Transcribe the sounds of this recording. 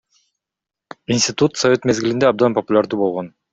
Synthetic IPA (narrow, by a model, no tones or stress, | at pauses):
insʲt̪ʲɪt̪ut̪sɐvʲe̞t̪me̞zɡilind̪eɑb̚d̪ɑnpɐpʊlʲaɾd̪uːbo̞lˠʁon